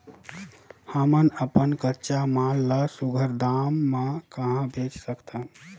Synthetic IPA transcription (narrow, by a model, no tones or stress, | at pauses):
həmənəpənkətːt͡ʃamalːəsuɡʱəɾd̪amːekəɦãbet͡ʃsəkt̪ʰə